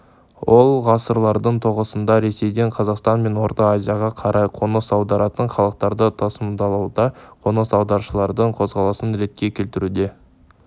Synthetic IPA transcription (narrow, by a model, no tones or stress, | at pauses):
wolˠʁɑsəɾlˠɑɾd̪əɴt̪ʰoʁəsənd̪ɑɾe̞se̞jd̪e̞ɴqʰɑzɑqst̪ɑnme̞nwo̞ɾt̪ɑazʲijɑʁɑqʰɑɾʔɑjqʰo̞nəsɑwd̪ɑɾɑt̪əɴχɑlˠəq̚t̪ɑɾd̪ət̪ʰɑsəmd̪ɑlˠɑwd̪ɑqʰo̞nəsɑwd̪ɑɾʃəlˠɑɾd̪əɴqʰo̞zʁɑlˠɑsənɾe̞t̪̚kʲe̞kʲʰe̞lt̪ɪɾud̪e̞